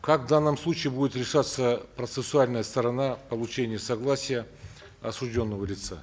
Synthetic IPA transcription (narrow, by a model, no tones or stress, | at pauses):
kakvd̪anːəmslˠut͡ɕɪːɪbudʲɪt̪ɾʲɪʂat̪sːəpɾət̪sɨsʊalʲnəjəst̪əɾɐnapəlˠʊt͡ɕenʲɪjəsɐɡlˠasʲɪjə | ɐsʊʐdʲo̞nːəvəlʲɪt̪sa